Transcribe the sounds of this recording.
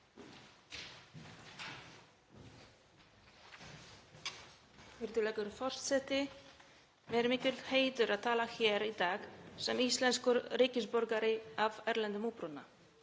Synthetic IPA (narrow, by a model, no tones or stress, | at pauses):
vɪɾt̪ʏlɛːkʏɾfɔr̥st̪sɛht̪ɪ | mɛɾmɪːcʏlheːjt̪ʏɾaðt̪ʰaːlaçɛːɾit̪aːxsɛmist̪lɛnskʏɾriːcɪspɔɾkaɾɪavɛɾlɛnt̪ɪmuːpɾunːa̰